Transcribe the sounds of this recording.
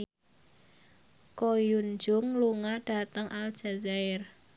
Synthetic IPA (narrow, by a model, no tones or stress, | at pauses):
kojund͡ʒʊŋluŋaɖ̥a̤t̪əŋʔald̥ʒ̥a̤zaɪr